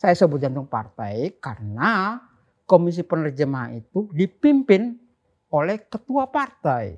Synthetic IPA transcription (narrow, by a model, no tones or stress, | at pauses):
sajasəbʊt̪̚d͡ʒant̪ʊŋpa̰rt̪ajkarəna | komis̬ipənərd͡ʒəmaait̪udipimpɪn | olɛhkət̪uapart̪aj